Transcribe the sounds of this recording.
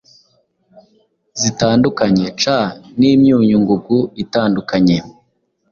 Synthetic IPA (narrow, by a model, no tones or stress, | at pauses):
zitaːndukaɲet͡ʃaniːmɲuːɲuŋɡuɡuitaːndukaɲe